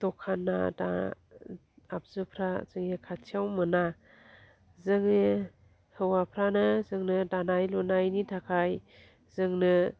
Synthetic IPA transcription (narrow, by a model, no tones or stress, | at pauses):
tɔkʰːanːa̰da̰ | ap̚z̥ɯpʰɾazɯŋekʰatʰiawmɯna | zɯŋe | hɯwapʰɾanɯzɯŋnɯdanajlɔnajnitʰakʰaj | zɯŋnɯ